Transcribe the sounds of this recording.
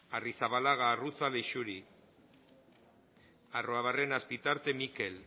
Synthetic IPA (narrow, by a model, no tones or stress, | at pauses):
arisaβalaɣ̞aːrut͡saleʃuɾi | aroaβarenaspit̪aɾt̪e̞mike̞l